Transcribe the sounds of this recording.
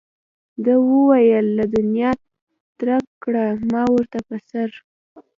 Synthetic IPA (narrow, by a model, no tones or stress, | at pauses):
d̪əwəwajəlːad̪ʊnjɑ | t̪ɾakkːɽamɑwəɾt̪apəsaɾ